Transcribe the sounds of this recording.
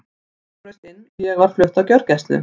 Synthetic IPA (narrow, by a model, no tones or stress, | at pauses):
œst̪ɪnːjɛɣvaɾ̥flœht̪awcœɾ̥cɛst̪ʏ̰